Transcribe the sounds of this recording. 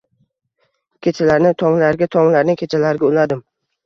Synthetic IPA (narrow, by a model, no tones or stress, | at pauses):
kʲʰet͡ʃʰalaɾnɪt̪ʰɒŋlaɾɡʲat̪ʰɒŋlaɾnɪkʲʰet͡ʃʰalaɾɡʲaʊlad̪ɪm